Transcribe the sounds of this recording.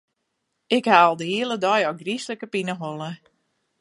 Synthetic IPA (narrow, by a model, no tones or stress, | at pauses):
ɪkhaːlˠdəɦiəlˠədɔjɔɡrisləkəpinəɦolˠə